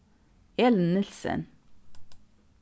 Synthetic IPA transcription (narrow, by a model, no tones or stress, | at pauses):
eːlənːɪlsə̰n